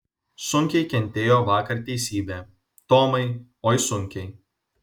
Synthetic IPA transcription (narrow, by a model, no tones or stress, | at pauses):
sʊŋʲkʲɛɪkʲɛnʲt̪ʲeːjoːʋɑːkɐɾt̪ʲɛɪsʲiːbʲɛː | t̪oːmɐɪ | oːjsʊŋʲkʲɛɪ